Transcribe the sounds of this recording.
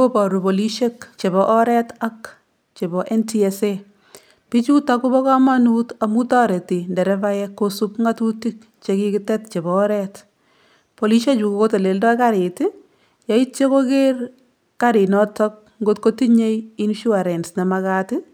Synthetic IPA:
o˦pɔ˨ɾu˨po˨li˦ʃe˦kt͡ʃe˨βɔʔɔ˦ɾɛ˦ta˦k | t͡ʃe˨bɔ˨ʔɛ˦ntiɛse | pi˦t͡ʃu˦taku˦bɔ˦kɔ˦ma˦nuta˨mu˦ta˦ɾe˨ti˨ndɛ˨ɾɛpajɛkːosu˦pŋɡa˦tu˦ti˦k̚ | t͡ʃeki˦kɪ˦tɛtt͡ʃe˨bɔ˨ɔ˦ɾɛt | po˨li˦ʃe˦t͡ʃu˨ko˦ko˦te˨le˨ldɔ˦jkaɾɪ˨tɪ | ja˨˦i˦t̚t͡ʃe˦ko˦ker | kaɾɪ˨nɔtɔk̚ | ŋɡo˦tko˦ti˦ɲe˦jinʃu˦a˨ɾɛ˨nsne˨makatɪ

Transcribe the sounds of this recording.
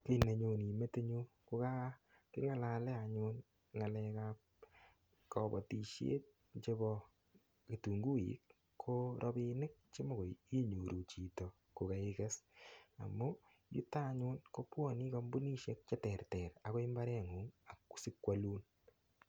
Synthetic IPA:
ki˦˨ne˨ɲo˨ni˨me˦te˦ɲu˦ | ko˦ka˦ | kɪ˦ŋa˨la˨lɛ˦a˨ɲʊn | ŋa˨lɛ˧ka˦p | kɔbɔ̰˨ti˨ʃjḛ˦t̚ | t͡ʃe˦βɔ˧ | ki˨tu˨ŋɡu˦ḭ˨kːʰ | oɾʔɔ˦bi˦nɪ˦k̚t͡ʃe˦mo˨ko˨ji˦ɲo˨ɾʔu˨t͡ʃi˨to˨ | ko˨ka˨ɪke˦sa̰˨mu˦ | jṵ˦ta˦ɲʊ˦nko˦pwɔ˦˨ni˦kɔ˦mbu˦ni˦ʃe˦k̚t͡ʃɛ˦tɛ˨rtɛ˨ɾa˨ko˦i˦mba˦ɾɛ˦ŋu˨ŋa˨kːu̥˦sɪ˦kwa˦luː˦n

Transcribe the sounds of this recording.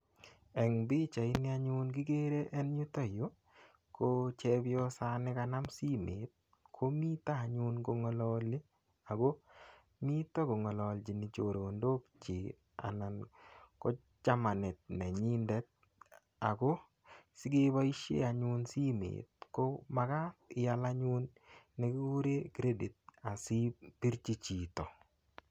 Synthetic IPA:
ɛ˨ŋbi˦t͡ʃa˨ɪ˦nɪ˦a˦ɲʊ˦nɡɪ˦ɡe˦ɾe˦ʔɛ˦nɲu˦ta˦jo˨˦ | ko˦t͡ʃɛ˦bɪ˦ɔ˦sa˦nɪ˦ka˧na˦msi˦mḛ˨t̪̚ | kʰo˦mi˦t̪a˦˨ɲʊ˦nɡo˧ŋɔ˨lɔ˦lɪ˦ | a˨ɡo˦ | mi˦t̪ɔ˦ɡo˨ŋɔ˨lɔ˨ld͡ʒi˨nɪ˨t͡ʃo˨ɾo˨o˨ndo˦kt͡ʃi˨ | a̰˨na˨nkɔ˦ | t͡ʃa˦ma˨nɛ˨t̚na˨ɲi˦ndɛ˦t̚ | a˨ɡo˦ | sɪ˦ɡe˦ba˦i˦ʃḛ˦a˨ɲʊ˦nsi˦mḛ˨t̪̚ko˦ma˨ɡa˦tɪ˨ja˨la˦ɲʊ˦nː | e˦ku˦ɾe˦ɡɾe˦di˨t̚a˨si˦pi˦ɾt͡ʃi˦t͡ʃi˨t̪ɔ˨

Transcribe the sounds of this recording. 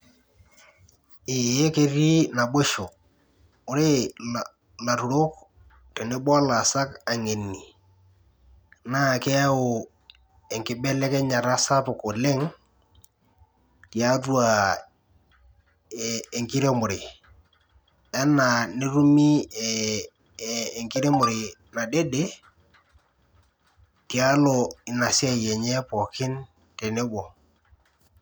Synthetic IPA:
ɪ˨je˦ke˦ri˦na˨be˦ʃo˨ | ʊ˨ɾe˦ | la˨ɾu˨ɾo˦k | tɛ˨ne˦bɔ˦la˨sa˦ka˨ŋe˨nːi˨ | na˦˨kɛ˦ʊ˨ | ɛ˨ŋkɪ˨˦bɛ˦lɛ˦kɛ˦ɲa˨ɾa˦sa˦pʊ˨ko˨lɪ˦ŋ | ti˨a˦du˦a˨ | ŋki˦ɾe˦mʊ˨ɾɪ˨ | ɛ˦na˨ne˦ɾu˦mi˦˨ | ŋki˦ɾe˦mʊ˨ɾɪ˨na˨de˦de˦ | ti˨a˦lo˨ɪ˨na˨si˦a˦˨jɛ˨ɲɛ˦pɔ˨kɪ˦n | te˨ne˦bo˨

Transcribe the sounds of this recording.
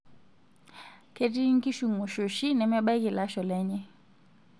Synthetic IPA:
ke˨ti˦ŋ̩˦ki˦ʃu˨ŋu˨ʃo˨ʃi˦nɛ˨mɛ˦ɓa˦i˦ki˨la˦ʃɔ˨lɛ˦ɲɛ˦

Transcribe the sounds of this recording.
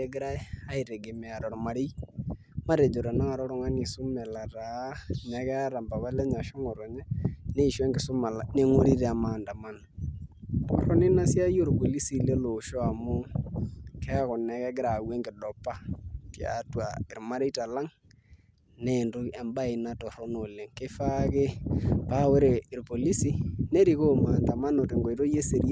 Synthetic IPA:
ɛɡɛ˦ɾa˦a˦i˨ɾe˨ɡe˨me˨a˨ɾɔ˨ɾɔ˨ma˨ɾe˦i | ma˦ɾe˨d͡ʒo˨ɾa˨na˦a˨ɾɔ˦ɾɔ˦ŋa˦ni˨so˦mɛ˨la˨ɾa˨ɲɛ˨ɣɛ˦ɾa˨mba˨βa˦lɛ˦ɲa˨ʃɔ˦ŋɔ˨ɾɔ˨ɲɛ˦ne˦˨ʃwɛ˦ŋɡe˨so˦ma˨la˨ne˦ŋo˦ɾi˦ɾɛ˨a˨maː˨nda˨ma˦na | kɔ̰˨ɾɔ˦ne˦na˦sja˦jo˦ɾo˨ɡo˨li˦si˦le˦lo˨ʃɔ˦a˨mo˦ | kʰɛ˦a˦kɔ˨nɛ˨kɛ˦ɡɪ˦ɾa˨wɛ˦ŋɡe˨dɔ˨pa˦tja̰twa˨e˨ɾma˦ɾe˦i˦ta˨la˦ŋ | ne˨ndo˦ɛ˨mba˦e˨na˦tɔ˨ɾɔ˦no˨le˨ŋke˦fa˦ke˦pa˦we˦ɾe˨ɾopo˨li˦si˦ne˦ɾi˦ko˦maː˨nda˨ma˦no˨te˨ŋɡo˨i˨ɾo˦je˦se˨ɾi˦a˦

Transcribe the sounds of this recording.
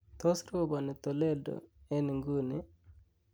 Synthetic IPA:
t̪ɔ˦sɾo˦ba˨nɛ˨t̪o˨le˦do̰˨ɛ˦ni˨ŋɡu˦ni˦

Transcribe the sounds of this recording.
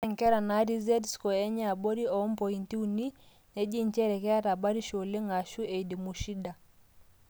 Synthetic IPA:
ɛ˨ŋ˨kɛ˦ɾa˨na˨˦ɾi˦zɛ˦dskɔ˨ɛ˦ɲa˦˨bo˦ɾi˦ɔ˨˦mpɔ˨i˨nti˦u˦˨ni˦ | ne˦d͡ʒi˦ɲt͡ʃɛ˦ɾɛ˨kɛ˦a˦ta˨ba˦ɾi˦ʃo˨le˦ŋa˨ʃu˦e˨i˨di˨mu˨ʃi˦da˨

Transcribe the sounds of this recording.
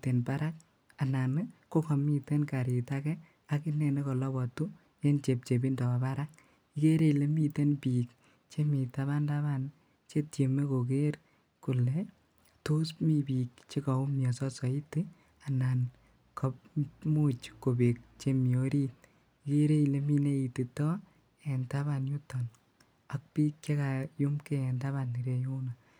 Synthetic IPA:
te˨npa˦ɾa˦k̚ | a˨na˨nko˦kɔ˨mi˦te˦nka˨ɾi˨ta˦kɛ˦ | a˦kɪ˦nɛ˨ne˦kɔ˨lɔ˦bɔ˨tu˦ | je˦nt͡ʃe˨p̚t͡ʃe˨b̬i˦ndɔ˨ba˨pa˦ɾa˦k̚ | i˦ke˦ɾe˦i˨le˦mi˦te˦npi˨k | t͡ʃe˦mi˨ta˦βa˦nda˦βa˦n | t͡ʃe˦tje˨me˦ko˨ke˦r | ku˨le˨ | to˦smi˦bi˨k̚t͡ʃe˦ka˨u˦mjɔ˨sɔ˦sɔ˨i˦te | a˨na˨n | kʰɔ˦p̚mu˦t͡ʃkːo˨be˨k̚t͡ʃe˦mi˨o˦ɾi˦t | ike˦ɾe˦i˨le˦mi˦ne˦i˨ti˨tɔ˦ | ɛ˨nta˦βa˨nju˦tɔ˨n | a˨k̚piː˦k̚t͡ʃe˦ka˨ju˦mke˦ɛ˨nta˦βa˦ni˨ɾe˨ju˦na˨

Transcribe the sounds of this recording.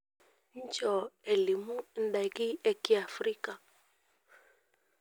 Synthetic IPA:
ɲ̩˦d͡ʒɔ˨ɛ˨li˨mu˦n̩˦da˨ɣi˦ɛ˦ki˦a˨fɾi˦ka˨

